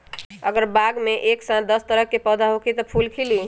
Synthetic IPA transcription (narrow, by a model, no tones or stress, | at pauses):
əɡəɾbaɡmeʔeksãt̪̚d̪əst̪əɾəkːepəd̪ʱaɦokit̪əpʰulkʰili